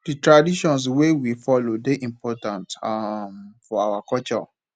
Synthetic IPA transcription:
d̥itɹadiʃɔ̃ns̬wewifɔlodeʔĩmpʰɔtãntamfɔawakɔlt͡ʃɔ̰

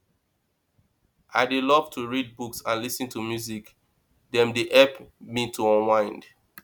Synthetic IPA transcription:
ʔaɪdelɔv̥tʰuɹid̚buksãnlisɨ̃ntʰumjuzik | dɛ̃mdeʔɛpmitʰuɔ̃nwãɪ̃nd

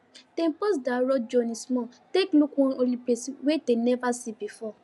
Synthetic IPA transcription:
tepɔs̬daɾɔd͡ʒɔnĩsmɔ̃teklukũolipeswedenɛvasibifɔ

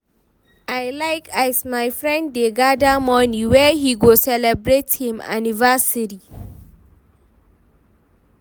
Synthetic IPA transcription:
ajlaɪkasmajfɹɛ̃ndːeɡadamɔniwɛhiɡosɛlɛbɹethĩma̰nivasiɾi

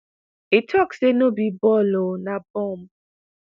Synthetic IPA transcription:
itʰɔksenobibɔlonabɔ̃m̩

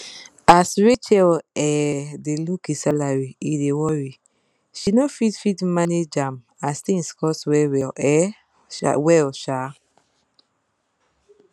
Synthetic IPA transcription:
asɹet͡ʃɛlɛdelukisalaɹiidewɔɹi | ʃinofitfitmaned͡ʒãm | astĩŋskɔswɛwɛlʔɛ̰ | wɛlʃa

